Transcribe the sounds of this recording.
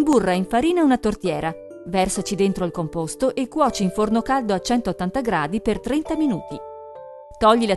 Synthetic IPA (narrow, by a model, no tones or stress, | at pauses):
mburːaiɱfaɾiːnaunat̪ort̪jɛːɾa | vɛrsat͡ʃid̪ent̪ɾoilkompost̪oʔekːwɔːt͡ʃiiɱfornokald̪oat͡ʃɛnt̪ot̪ːant̪aɡɾa̰ːd̪ipert̪ɾɛnt̪aminuːt̪i | t̪ɔʎːila